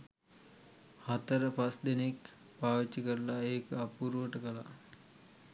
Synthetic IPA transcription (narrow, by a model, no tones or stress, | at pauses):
hat̪əɾəpasd̪enek | paːʋit͡ʃːəkəɾlaeːkəapuɾʋəʈəkəla̰